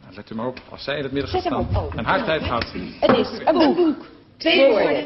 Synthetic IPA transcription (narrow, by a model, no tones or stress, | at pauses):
ətlɛktymaːrɔpɑ̰lˠsɛjɪnətmɪdəɛsɛaoɛnɦaːɹtɛjtχaːtətɪsə̃bubuk | te